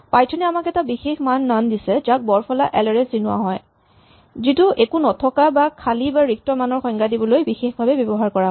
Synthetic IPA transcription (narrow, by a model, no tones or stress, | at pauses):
pajtʰɔnɛamakɛtabixexmanːandisɛzak̚bɔɹpʰɔla̰ʔɛlɛɹɛzinʊwa̰ɦɔj | zituʔekunɔtʰɔkabakʰalibaɹik̚tɔmanɔɹxɔŋɡadibɔlojbixexbʱabɛbjɔbɔɦaɹkɔɹaɦ